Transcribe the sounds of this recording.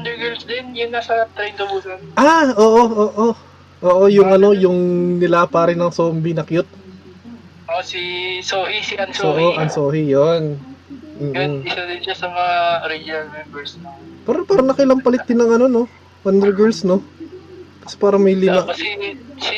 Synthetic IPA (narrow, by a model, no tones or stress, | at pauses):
ɐnd̪ɛɡɛɹlsd̪ɛnjʊnːɐsɐt̪ɾɛjnd̪obujɐnʔaʔo̞ːʔo̞ʔoːʔo | ʔoːʔo̞jʊŋʔɐno̞jʊŋnɪlapaːɾɪnɐŋsoːmbɪnɐkjot̪̚ | ʔosisoːhisɪʔɐnsoːʔoʔɐnso̞ːhijon | m̩ːɪsɐd̪ɪnʃasɐmɐŋaɾɛd͡ʒɐlɛɡɛɹsnopɛːɾɐpaːɾɐnɐkɪlɐmpɐlɪt̪̚d̪ɪnːɐŋɐno̞no̞ | hɐnd̪ɛɹɡɛɹlsno̞ | kɐ̥sɛ̥paːɾɐmɐjlɪmaɐsɛs